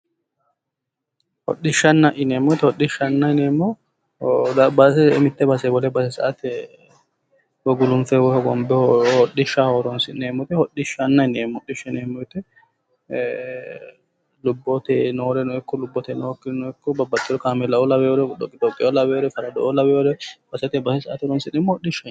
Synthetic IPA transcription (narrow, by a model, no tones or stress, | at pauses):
hɔ̰ɗɪʃːɐnːɐʔɪneːmːɔjt̪ːɛhɔɗːɪʃːɐnːɐɪneːmːɔ | dbɐsɛmɪt̪ːɛbɐsɛbɔlɛbɐsɛsɐ̰ʔɐt̪ɛ | bɔɡʊlʊnfɛwɔhɔɡɔmbɛhɔɗɪʃːahoːɾɔnsɪneːmːɔt̪ɛhɔɗɪʃːɐnːɐjneːmːɔɗɪʃːɐneːmːɔjɪt̪ːɛ | lʊbːɔt̪ɛnoːɾɛnɔɛkːɔlʊbːɔt̪ɛnokːɪnɔɛkːɔbɐbːɐt̪ːɪd̪ɔkaːmɛlɐɔlɐbɛjoɾɛɗɔkʼːɪd̪ɔt̪ʼːɪolɐbɛjoɾɛfɐɾɐd̪ɔʔolɐbɛjodɛb̥ɐsɐt̪ɛbɐsɛsɐʔːt̪ɪɔɾɔnsɪneːmːɔhɔɗːɪʃɐ